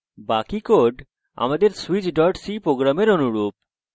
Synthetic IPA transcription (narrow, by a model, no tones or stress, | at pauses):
bakikoɖ | a̰mad̪eɾsuit͡ɕɖɔɾʈsipɾoɡɾameɾonuɾup̚